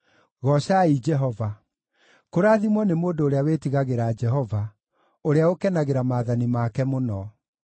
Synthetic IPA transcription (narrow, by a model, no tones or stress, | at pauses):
ɣɔɕaid͡ʒɛɦɔva | koɾaːðimwɔnemoːndoːɾeawetiɣaɣeɾaːd͡ʒɛɦɔva | oɾeaokɛnaɣeɾamaːðanimaːkɛmonɔ